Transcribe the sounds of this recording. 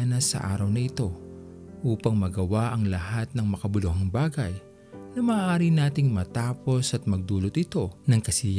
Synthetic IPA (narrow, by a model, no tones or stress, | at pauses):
nɐsɐ̰ʔa̰ːɾɐwnɐʔɪt̪o̞ | ʔuːpɐŋmɐɡɐwaʔɐŋlɐhat̪̚nɐŋmɐkɐbʊlohɐŋbaːɡɐj | nɐmɐːʔaːɾinaːt̪ɪŋmɐt̪aːpo̞sʔɐt̪̚mɐɡ̚d̪uːlo̞t̪ɪt̪o̞nɐŋkɐsɪj